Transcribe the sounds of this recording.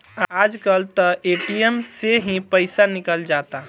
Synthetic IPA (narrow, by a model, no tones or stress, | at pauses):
aːd͡ʒkəlt̪əʔeːʈijəmseɦĩpəɪsanɪkəld͡ʒaːt̪a